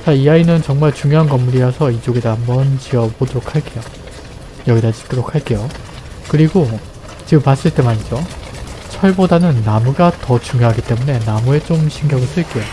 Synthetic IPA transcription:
t͡ɕaiainɯnt͡ɕʌŋmaɭt͡ɕuŋjoɦankʌmːuɾiʌsʰʌid͡ʑoɡedaːmbʌnt͡ɕiʌbodoɾokʰhaɭk͈e̞jo | jʌɡidad͡ʑi̥p̚t͈oɾokʰhaɭk͈e̞jo | kɯɾiɡo | t͡ɕɯmas͈ɯɭt͈e̞maɲid͡ʑot͡ɕʰʌɭbodanɯnːamuɡatʌt͡ɕuŋjoɦaɡit͈e̞mune̞namue̞t͡ɕ͈omɕʰiŋɡjʌɡɯɭs͈ɯɭk͈e̞jo

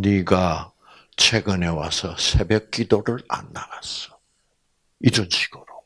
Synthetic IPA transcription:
niɡa | t͡ɕʰweɡɯne̞wa̰sʰʌsʰebek̚k͈idoɾɯɾa̰nːaɡasʌ̥ | id͡ʑʌnɕʰi̥ɡ̥ɯɾo

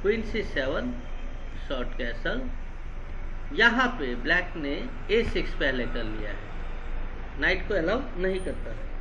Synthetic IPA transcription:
kwinsisebən | sɔɾʈkɛsəl | jəɦãpeblɛkne | esikspɛɦlekəɾlija̰ɦɛ̰ | naɪʈkoelabnəɦĩkəɾt̪ə

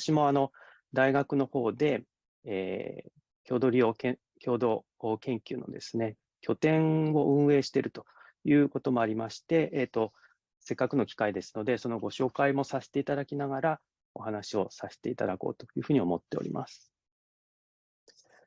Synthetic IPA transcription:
ɕimo̞ano̞ | d̪aiɡakɯ̟no̞ho̞ːd̪e̞̰ː | kʲo̞ːd̪o̞ɾʲio̞ːkẽ | kʲo̞ːd̪o̞ː | kẽ̞ŋkʲɨ̟ːno̞̰d̪e̞sɨne̞ | kʲo̞t̪ẽ̞ɰo̞ʔɯ̟̃ɰ̃e̞ːɕi̥t̪eɾɯ̟t̪o̞̥ | jɯ̟ːko̞t̪o̞mo̞aɾʲimaɕi̥t̪e̞ʔeːt̪ːo̞ | se̞kːakɯ̟no̞kʲi̥kaid̪e̞sɨ̥no̞d̪e̞so̞no̞ɡo̞ɕo̞ːkaimo̞sase̥t̪e̞it̪ad̪akʲinaɡaɾa | o̞̰hanaɕio̞sase̥t̪e̞it̪ad̪ako̞̰ːt̪o̞̥jɯ̟ːɸɯ̟ɲ̟iomo̞t̪ːe̞o̰ɾʲḭma̰sɨ̥

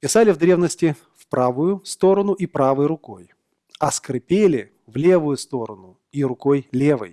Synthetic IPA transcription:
pʲɪsalʲɪvd̪ɾʲevnəsʲtʲɪ | fpɾavʊjʊst̪o̞ɾənʊʔipɾavɨjɾʊko̞j | ɐskɾɨpʲelʲɪ | vlʲevʊjʊst̪o̞ɾənʊ | irʊkojlʲevɨ̰j

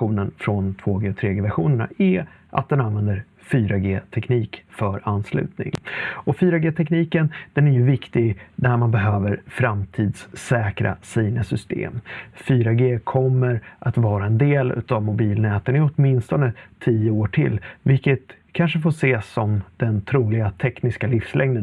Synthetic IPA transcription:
uːnənfɾɔnt̪ʰvoːɡeːɔt̪ʰɾeːɡeːvæɾɧuːnəɳa̰ɛʔa̰t̪̚d̪ɛnanvɛnd̪əɾ | fyːɾaɡeːt̪ʰɛkniːkfœɾanːslʉ̟̰ːt̪nɪ̰ŋɔfyːɾaɡeːt̪ʰɛkniːkənd̪̥ɛnæɾjɵvɪkt̪ɪɡd̪æɾmanbɛɦøːvəɾfɾamt̪ʰiːd̪sɛːkɾa̰siːnəsʏst̪ḛːmfyːɾaɡeːkʰɔmːəɾʔat̪vɑːɾaɛnd̪eːlʉ̟̰ːt̪avmʊbiːlnɛːt̪ənɪɔt̪mɪnst̪ɔnət̪ʰijəoːʈʰɪ̰lːvɪlkːət̪kʰanʂəfoːʂeːsːɔmd̪̥ɛnt̪ʰɾuːlɪɡat̪ʰɛknɪskalɪfslɛŋd̪ə

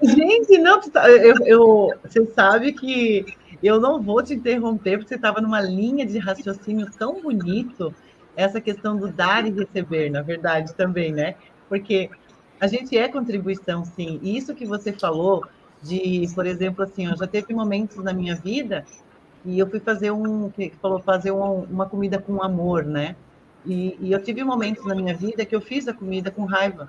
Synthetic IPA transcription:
ʒẽnt͡ʃɪnɐ̃w̃kɪt̪aewewsesabɪkɪ | ewnɐ̃w̃vowt͡ʃɪĩnt̪eɦõpeɾpoɾket̪avɐnũmɐlĩɲɐd͡ʒɪɦasjosĩnjʊt̪ɐ̃w̃bunit̪ʊ | ɛsɐkest̪ɐ̃w̃d̪ʊd̪aɾɪɦesebeɾnɐveɾd̪ad͡ʒɪt̪ɐ̃mbẽj̃nɛ | poɾke | aʒẽnt͡ʃɪɛkõt̪ɾibuisɐ̃w̃sĩɪisʊkɪvosefalo | d͡ʒɪpoɾezẽmplʊasĩewʒat̪evɪmomẽnt̪ʊznɐmĩɲɐvid̪ɐ | ɪewfujfazeɾũkɪɪfalofazeɾũũmɐkomid̪ɐkõamoɾnɛ | ɪːewt̪ivɪmomẽnt̪ʊznɐmĩɲɐvid̪ɐkɪewfizɐkomid̪ɐkõɦajvɐ

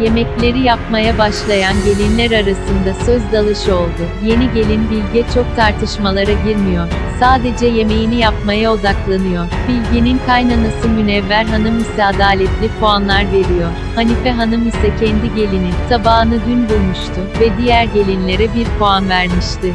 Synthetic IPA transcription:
je̞mɛclʲe̞ɾijapmajabaʃlˠajanɟe̞lʲinlʲæɾaɾasɯnd̪asøzd̪alˠɯʃɯo̞lˠd̪ʊje̞niɟe̞lʲinbilʲɟɛt͡ʃʰo̞k̚t̪ʰaɾt̪ʰɯʃmalˠaɾaɟiɾmijo̞ɾ̥ | saːd̪e̞d͡ʒɛje̞me̞jinijap̚majao̞d̪aklˠanɯjo̞ɾ̥bilʲɟininkʰajnanasɯmynɛvːæɾɦanɯmisɛad̪aːlʲɛt̪lʲipʰoanlˠaɾve̞ɾijo̞ɾ | hanifɛɦanɯmisɛcʰɛnd̪iɟe̞lʲininsabaɦɯnɯd̪ynb̪uɾmuʃt̪ʰʊvɛd̪ijæɾɟe̞lʲinlʲe̞ɾɛbiɾpʰoanvæɾmiʃt̪ʰɪ

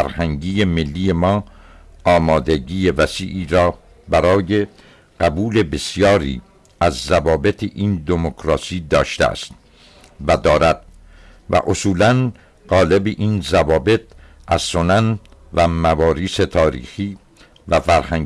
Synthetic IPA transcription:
æɾhæŋɟiːjemelːiːje̞mɒːɒːmɒːd̪eɟiːjevæsiːʔiːɾɒː | bæɾɒːje̞ | ɢ̥æbuːle̞be̞sijɒːɾḭː | æzːævɒːbet̪ʰeʔiːnd̪emokʰɾɒːsiːd̪ɒːʃt̪ḛæ̰st̪ | væd̪ɒːɾæd̪̥̚ | væ̰ʔosuːlæn | ɢɒːle̞beʔiːnzævɒːbe̞t̪̚ʔæz̥so̞næn | væmævɒːɾiːset̪ʰɒːɾḭːxiː | væfæɾhæŋ

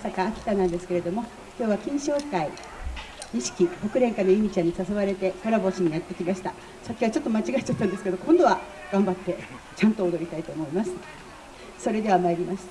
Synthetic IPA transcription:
sakaːkʲi̥t̪anãnd̪e̞sɨ̥ke̞ɾe̞d̪o̞mo̞ | kʲo̞ːβakʲĩɰ̃ɕo̞ːkai | ɲiɕi̥kʲiho̞kɯ̟ɾẽ̞ŋkano̞imʲit͡ɕãɲ̟ːisaso̞βaɾe̞t̪e̞ko̞ɾabo̞ɕiɲ̟inat̪ːe̞kʲimaɕi̥t̪a | sakʲːiβat͡ɕo̞t̪ːomat͡ɕiɡait͡ɕat̪ːãnd̪eske̞d̪o̞kõnd̪o̞βa | ɡ̥ãmbat̪ːe̞ | t͡ɕãnt̪o̞ːd̪o̞ɾʲit̪ait̪o̞ːmo̞imasɨ̥ | so̞ɾe̞d̪e̞βamaeɾʲimaɕi̥t̪

